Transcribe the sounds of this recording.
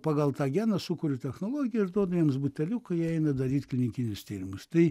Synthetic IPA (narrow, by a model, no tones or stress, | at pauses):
pɑːɡɐlˠt̪ɑːɡʲæːnɐsʊkʊɾʲʊt̪ʲɛxnoːlˠoːɡʲɪjɛɪʒd̪uɔd̪ɐʋʲiɛmsbʊt̪ʲɛlʲukɐɛɪnɐd̪ɐɾʲiːt̪klʲɪnʲɪkʲɪnʲʊst̪ʲiːɾʲɪmʊst̪ɐɪ